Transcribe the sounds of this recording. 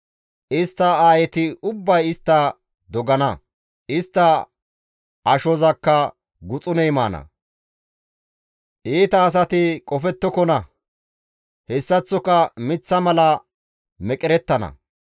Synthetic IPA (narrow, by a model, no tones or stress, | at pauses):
ʔɪst̪ːɐaːjɛt̪ɪʊbːɐjɪst̪ːɐ | d̪ɔɡɐnɐ | ɪst̪ːɐ | ʔɐʃɔzɐkːɐ | ɡʊt͡sʼʊnɛjma̰ːnɐ̰ | ʔiːt̪ɐːs̬ɐt̪ɪkʼɔfɛt̪ːɔkɔnɐ | hɛsːɐt͡sːɔkɐmɪt͡sːɐmɐlɐ | mɛkʼɪɾɛt̪ːɐnɐ̰